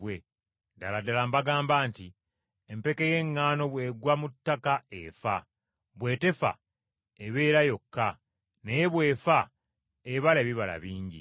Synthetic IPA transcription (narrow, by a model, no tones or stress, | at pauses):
we̞ | daladalambaɡaːmbaːnti | empe̞keje̞ŋːaːno̞βwe̞ːɡwamutːakaefa | βwe̞ːte̞fa̰ | eβe̞ːɾajo̞kːa | neje̞βwe̞ːfa | eβaleːβiβala̰βiːɲɟḭ